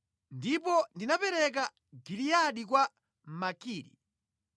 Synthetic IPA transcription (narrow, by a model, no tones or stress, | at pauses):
ndipɔndinapɛɾɛk̬a | ɡilijaɗik̬wa | makiːɾḭ